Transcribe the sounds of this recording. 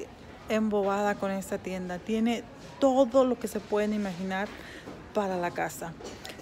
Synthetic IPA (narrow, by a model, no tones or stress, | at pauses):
embo̞βaðako̞ne̞st̪at̪je̞nd̪at̪je̞ne̞ | t̪o̞ðolo̞ke̞se̞pwe̞ðenimaxinaɾ | paɾalakasa